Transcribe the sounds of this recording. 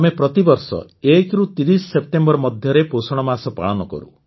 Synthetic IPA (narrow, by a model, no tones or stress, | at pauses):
mepɾɔt̪ibɔɾsɔ̰ | ekɾut̪iɾisɔsep̚t̪embɔɾɔmɔd̪ʱjɔɾeposɔɽ̃ɔmasɔpa̰ɭ̃ɔnɔkɔ̰ɾṵ